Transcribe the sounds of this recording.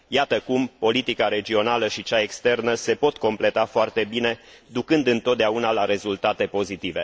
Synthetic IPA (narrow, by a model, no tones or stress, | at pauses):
jat̪əkumpo̞lit̪ikaɾe̞d͡ʒio̞naləʃit͡ʃae̞kst̪e̞rnəse̞po̞t̪ko̞mple̞t̪afoart̪e̞bine̞ | d̪ukɨnd̪ɨnt̪ot̪̚d̪eaunalaɾe̞zult̪at̪e̞po̞zit̪ive̞̰